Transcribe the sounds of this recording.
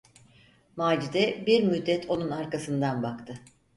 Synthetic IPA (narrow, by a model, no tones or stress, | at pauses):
maːd͡ʒid̪ɛbiɾmyd̪ːɛt̪ʰo̞nunaɾkasɯnd̪anbakt̪ʰɯ